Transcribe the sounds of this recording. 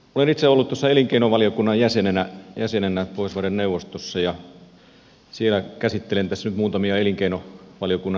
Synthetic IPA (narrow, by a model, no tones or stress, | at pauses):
olenit̪seolːut̪t̪osːɑeliŋkeinoʋɑljokunːɑjjæsenenæjæsenenæpoˑisʋɑrenneuʋost̪osːɑjɑ | sielækæsit̪ːelent̪æsːnyt̪muːt̪ɑmiɑeliŋkeinoʋɑlijokunːɑ